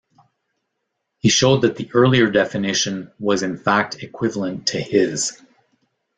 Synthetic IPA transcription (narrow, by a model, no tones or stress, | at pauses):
hiʃoʊd̪̚ðɨt̪̚ðiʔɜ˞lˠiə˞dɛfɨnɪʃɨ̃nwʌzɨ̃nfæk̚tʰɨkʰw̥ɪvl̩ˠə̃ntʰɨɪz̥